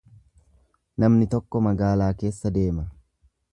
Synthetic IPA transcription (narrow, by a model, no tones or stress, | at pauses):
nɐmnɪt̪ɔkːɔmɐɡaːlaːke̞ːsːɐd̪e̞ːmɐ